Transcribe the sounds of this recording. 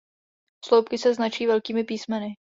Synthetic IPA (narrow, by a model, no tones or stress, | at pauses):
fslowp̚kɪsɛznat͡ʃiːvɛlkiːmɪpiːsmɛnɪ